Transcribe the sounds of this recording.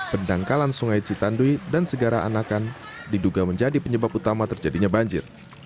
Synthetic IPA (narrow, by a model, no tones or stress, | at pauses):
pəndaŋkalansuŋajt͡ʃit̪anduidansəɡaɾaʔa̰nakan | diduɡaməɲd͡ʒadipəɲəbap̚ut̪amat̪ərd͡ʒadiɲabaɲd͡ʒɪ̰r